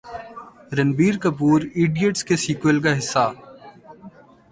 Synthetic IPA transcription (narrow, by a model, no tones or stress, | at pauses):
ɾɐnbiːɾkɐpuːɾiːɖijəʈskesiːkwelkaɦɪsːaː